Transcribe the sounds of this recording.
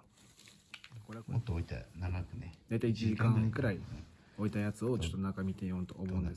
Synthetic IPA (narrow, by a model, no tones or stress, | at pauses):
koɾemot̪ːooit̪a̰naɡakɯned̪̥ait̪eit͡ɕiʑikãkɯ̟ɾai | o̞it̪ajat͡sɨo̞t͡ɕo̞t̪ːonãŋkamʲit̪ejont̪o̞ːmo̞ɯ̃nd̪e̞s